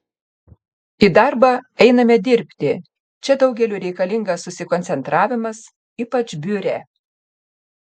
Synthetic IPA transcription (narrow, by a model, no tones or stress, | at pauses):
id̪ɑˑɾbɑɛɪnɐmʲɛd̪ʲɪɾʲpʲt̪ʲɪ | t͡ʃʲɛd̪ɒʊɡʲɛlʲuːɾʲɛɪkɐlʲɪŋɡɐssʊsʲɪkɔnʲtsʲɛnt̪ɾɑːʋʲɪmɐs | iːpɐt͡ʃʲbʲʊɾʲeː